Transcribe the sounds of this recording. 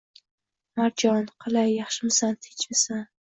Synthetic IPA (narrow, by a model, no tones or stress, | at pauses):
maɾd͡ʒɒnqʰɨlˠajːɑχʃɪmɪsant̪ʰɪ̥t͡ʃmɪsan